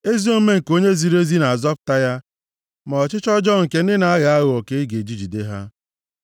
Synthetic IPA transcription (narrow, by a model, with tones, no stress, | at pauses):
e˦zi˦o˦me˦ŋ̩˨ko˦ɲe˦zi˨ɾe˦zi˦na˨a˨zɔ˦p̚ta˦ja˦ | ma˨ɔ˨t͡ʃɪ˦t͡ʃɔ˦d͡ʒɔ˦ŋ̩˨ke˨n̩˦ɪ˦na˨a˦ɣa˨a˦ɣʊ˨ɔ˨ke˨i˦ɡe˨d͡ʒi˦d͡ʒi˨de˦ɦa˦